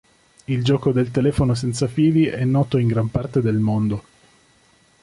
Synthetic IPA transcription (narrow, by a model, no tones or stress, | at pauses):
ild͡ʒɔːkod̪elt̪elɛːfonos̬ɛnt̪safiːliʔɛnːɔːt̪oiŋɡɾampart̪ed̪elmond̪o